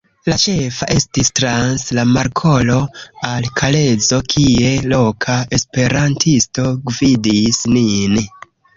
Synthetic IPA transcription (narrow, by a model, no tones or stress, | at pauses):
lat͡ʃe̞faʔe̞stistɾanslamaɾkʰo̞lo̞alkʰale̞d͡zo̞kʰie̞lo̞kʰaespe̞ɾantʰisto̞ɡvidisnin